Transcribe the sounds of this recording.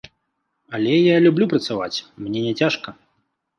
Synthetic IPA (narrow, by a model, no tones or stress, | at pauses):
ɐlʲɛjalʲublʲupɾɐt̪sava̰t͡sʲmnʲɛnʲɛt͡sʲaʂkɐ